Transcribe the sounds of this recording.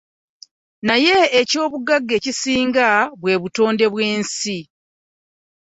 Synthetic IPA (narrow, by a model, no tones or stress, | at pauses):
naje̞ːco̞ːβuɡaɡːe̞ːcisiːŋɡaβwe̞ːβuto̞ːnde̞βwe̞ːnsi